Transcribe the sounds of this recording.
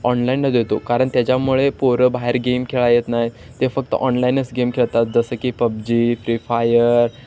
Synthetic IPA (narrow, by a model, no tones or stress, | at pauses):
ɔnlainːəd̪et̪okaɾəɳt̪jat͡ɕjamuɭepoɾəbaɦeɾɡemkʰeɭajet̪naj | t̪efək̚t̪ə̰ʔɔnlainəst͡sɡemkʰeɭt̪at̪̚d͡zəsəːkiːpəb̚d͡ʑiːfɾifajəɾ